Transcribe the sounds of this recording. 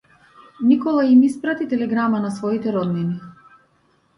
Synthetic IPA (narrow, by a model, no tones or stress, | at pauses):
nikɔlˠaimispɾat̪it̪ɛlɛɡɾamanasvɔit̪ɛɾɔd̪nɛni